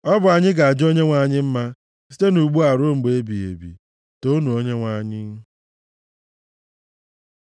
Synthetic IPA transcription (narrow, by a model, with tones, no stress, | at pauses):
ɔ˦bʊ˨a˨ɲɪ˦ɡa˨a˨d͡ʒo˦ɲe˦ŋʷa˦˨ɲɪ˦m̩˦ma˦ | si˦te˦nu˨ɡ͡bu˦a˨ɾo˦ŋ͡m̩˨ɡ͡be˦bi˨ḛ˨bḭ˨ | to˦nu˨o˦ɲe˦ŋʷa˦˨ɲɪ˦n̩˦